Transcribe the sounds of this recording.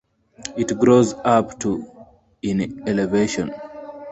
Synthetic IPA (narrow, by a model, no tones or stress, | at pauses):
itɡɹozaptu | ĩnɛlɛveʃɔ̰̃n